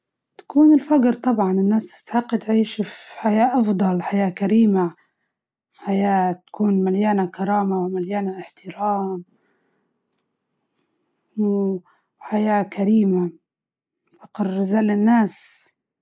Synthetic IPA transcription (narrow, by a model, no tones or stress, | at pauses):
t̪ḁkuːnɪlfaɡɾt̪ˤɑbʕɑnɪnːaːst̪ɪ̥st̪aħɪqːt̪ʕiːʃfħajaːʔɑfd̪ˤɑlħajaːkaɾiːma | ħajaːt̪ḁkuːnmaljaːnakɑɾˤɑːmawɪmaljaːnaʔɪħt̪ɪɾaːm | w | ħajaːkʰaɾiːma | fɑqɾzaːlːɪnːaːs